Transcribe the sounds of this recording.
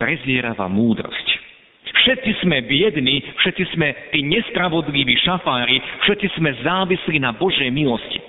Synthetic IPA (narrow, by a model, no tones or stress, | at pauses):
pɾɛzɪɛɾaʋa̰muːd̪ɾɔ̰sc | fʃɛt̪̚t͡sismɛbɪɛd̪nifʃɛt̪̚t͡sismɛt̪iːɲɛspɾaʋɔd̪lʲiʋiʃafaːɾifʃɛt̪̚t͡sismɛzaːʋislinabɔʒjɛjmilɔscḭ